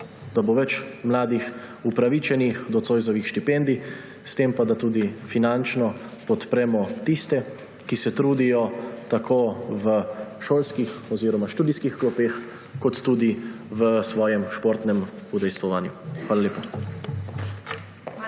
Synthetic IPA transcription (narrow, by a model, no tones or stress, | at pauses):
d̪̥aboʋɛt͡ʃmlaːd̪ix | upɾaʋit͡ʃɛnixd̪ɔt̪soːjzɔʋixʃt̪ipɛnd̪i | st̪empad̪at̪uːd̪ifinant͡ʃnɔ | pɔt̪pɾɛmɔt̪ist̪ɛ | kisɛt̪ɾuːd̪ijɔt̪akʰoːʋəʃoːlskixɔziɾɔmaʃt̪uːd̪iskixklɔpeːx | kɔt̪ːuːd̪i | ʋəsʋɔːjɛmʃpoːɾt̪nɛm | ud̪ɛjst̪ʋɔʋaːnjuxʋaːlaleːpa